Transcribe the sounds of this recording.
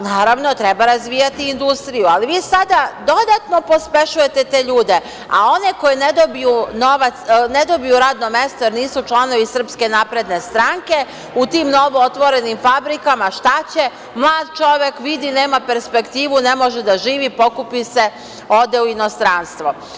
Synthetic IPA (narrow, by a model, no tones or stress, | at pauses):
naːɾaʋno̞t̪ɾebaɾazʋiːjat̪iːnd̪ust̪ɾijualiʋiːsad̪ad̪o̞d̪at̪no̞po̞speʃuje̞t̪e̞t̪eːʎuːd̪e̞ | a̰o̞ne̞ko̞jened̪obijuno̞ʋat̪sne̞d̪o̞bijuɾaːd̪no̞me̞st̪oje̞ɾniːsut͡ʃlˠano̞ʋisr̩pske̞napɾe̞d̪ne̞st̪ɾaŋke̞ | ut̪imno̞ʋoot̪ʋo̞ɾe̞nimfabɾikamaʃt̪at͡ɕe̞ | mlˠaːd̪t͡ʃo̞ʋjekʋid̪ine̞ːmape̞ɾspe̞kt̪iːʋune̞mo̞ʒed̪aʒiːʋipo̞kupise | o̞d̪euino̞st̪ɾanst̪ʋo